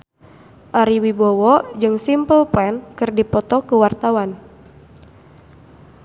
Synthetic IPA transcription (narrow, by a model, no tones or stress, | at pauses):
ʔaɾiwibɔwɔd͡ʒɨŋsimpəlplɛnkɨrdipɔt̪ɔkuwart̪awan